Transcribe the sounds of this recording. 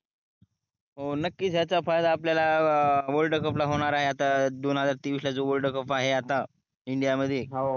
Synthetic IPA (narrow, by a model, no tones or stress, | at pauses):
ɦonəkːiːt͡sjat͡safajd̪aːpljalaʋəlɖəkəplaɦoɽ̃aɾaɦeat̪ad̪onɦəd͡zaɾt̪iːʋiʂlad͡zoʋəlɖəkəpaɦeat̪a | iɳɖijaməd̪ʱjeɦ